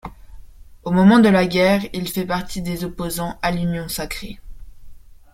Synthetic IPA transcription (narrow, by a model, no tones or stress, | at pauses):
omɔmɑ̃d̪əlaɡʲɛʁilfɛpaʁt̪ʰid̪ezɔpozɑ̃ʔalynjɔ̃sakχe